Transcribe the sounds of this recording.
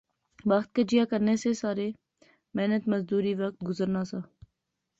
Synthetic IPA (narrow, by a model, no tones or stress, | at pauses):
ʋaxt̪̚ked͡ʒijakəɾnesesaːɾe | meɦnət̪mɐzd̪uːɾiʋɐk̚t̪̚ɡʊzəɾnasaː